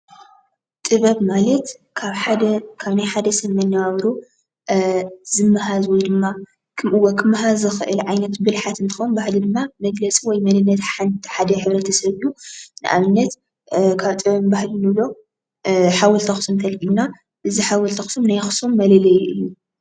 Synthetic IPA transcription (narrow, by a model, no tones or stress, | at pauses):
t̪ʼɨβɐβmalɐt̪ | kʰaβħad̪ɐkʰaβnajħad̪ɐsɐβmɐnːawaβɾo | z̥ɨmːɐɦazwɔjd̪ɨmːa | kʰɨmʔɨwokʰɨmːɐɦazɨxɨʔɨlʕajnɐt̪bɨlħat̪ɨnt̪ʰɨxonbahlid̪ɨmːamɐɡlɐt͡sʼiwɔjmɐnɨnːɐt̪ħanħad̪ɐħɨβɾɐt̪ʰɐsɐβɨjːunɨʔa̰βɨnːɐt̪ | kʰaβt̪ʼɨβɐβbahlinɨβlo̞ | ħawɔlt̪ʰɐxɨ̥sumt̪ʰɐlkʼilna | ʔɨziħawɔlt̪ʰɐxɨ̥sumnajxɨ̥sumːɐlɐlɐjʔɨjːu